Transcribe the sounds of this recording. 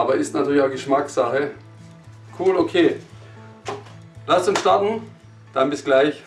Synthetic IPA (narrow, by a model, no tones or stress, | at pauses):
ʔaːbɐʔɪstnatʰyːɐlɪçaʊɡəʃmaksaχə | kʰuːlokʰeː | lastsɪnʃtaɐtn̩ | d̥anbɪsɡ̥laɪç